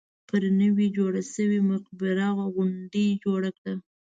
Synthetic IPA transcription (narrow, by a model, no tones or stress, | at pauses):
pəɾnəwid͡ʒoɽasəwimʊqbɪɾɑɣaɣʊɳdəd͡ʒoɽakɽa